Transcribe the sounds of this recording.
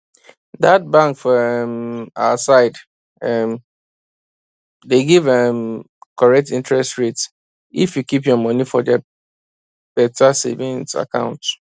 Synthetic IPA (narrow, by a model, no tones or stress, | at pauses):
dat̚bãŋkfɔɛmasaɪd | ɛm | deɡivɛm | kɔɹɛk̚tĩntɹɛstɹet | ifjukipjɔmɔnifɔdɛ | b̥ɛtasḛvĩŋsa̰kã̰ʊ̃nt